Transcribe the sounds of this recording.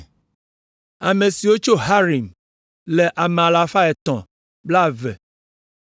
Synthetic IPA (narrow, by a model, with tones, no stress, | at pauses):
a˨mẽ˨si˨wo˦t͡ʃo˦ɦa˦ɾi˨m | le˨ʔa˨mẽ˨a˨la˨fa˦ɛ˨t̪ɔ̃˨ | bla˦˨vɛ˨